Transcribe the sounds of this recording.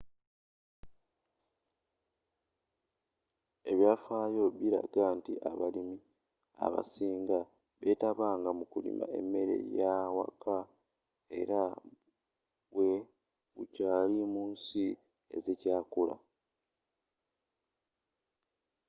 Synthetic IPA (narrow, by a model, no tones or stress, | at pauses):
e̞βjaːfaːjo̞βiɾa̰ɡantiʔaβalimi | a̰βa̰siːŋɡa | βe̞taβaːŋɡamukulḭma̰e̞̰mːe̞ɾe̞̰jawa̰ka | e̞̰ɾa | βwe̞ | βucaːlimuːnsi | e̞̰zecaːkula̰